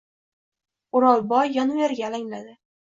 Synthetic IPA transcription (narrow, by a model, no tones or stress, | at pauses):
ʊɾɒlˠbɒjːɒnveɾɡʲalaŋlad̪ɪ